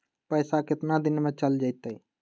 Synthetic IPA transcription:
pəjsakɪt̪nad̪ɪnmet͡ʃəld͡ʒəɪt̪əi

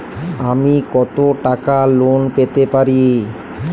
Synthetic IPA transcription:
amikɔt̪oʈakalonpet̪epaɾi

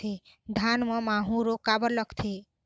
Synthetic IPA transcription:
e | d̪ʱanmʌ̃maɦũɾokabəɾlʌkʰt̪ʰe

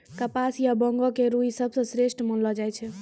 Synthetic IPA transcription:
kəpasjabɔŋɡɔkeɾuisəbʱsə̃sɾeʃʈmənlɔd͡ʒajt͡ʃʰɛ

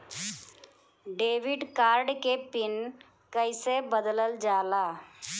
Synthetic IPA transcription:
ɖeːʋɪɖkaːɾɖkepɪn | kəɪsebəd̪ləld͡ʒaːlaː

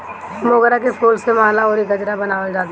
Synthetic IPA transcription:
moːɡɾakepʰoːlsemaːlaoːɾiɡɐd͡ʒɾabɐnaːʋəld͡ʒaːt̪

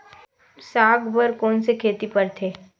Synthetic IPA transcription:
saːɡbəɾkɔːnsekʰeːt̪ipəɾt̪ʰeː

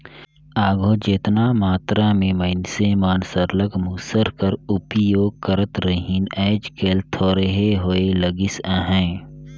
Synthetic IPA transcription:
aːɡʱoːd͡ʒeːt̪naːmaːt̪ɾamẽməɪnsemaːnsəɾləkmuːsəɾkəɾʊpjoːɡ̚kəɾət̪ɾəɦinɛːd͡ʒkeːlt̪ʰoːɾəɦeɦoeləɡɪsaːɦɛ̃ː

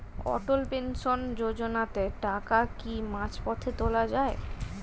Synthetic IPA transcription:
ɔ̰ʈolpenʃond͡ʑod͡ʑonat̪eʈakakimãt͡ɕpɔt̪ʰet̪olad͡ʑae

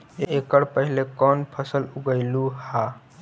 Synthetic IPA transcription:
eekəɽpəɦilekɔnpʰəsəluɡəɪluha

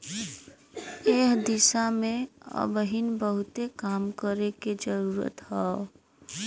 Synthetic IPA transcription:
eːkd̪ɪsamẽə̰bəɦinbəɦʊt̪ekaːmkəɾeked͡ʒəɾuːɾə̰t̪ɦɛː

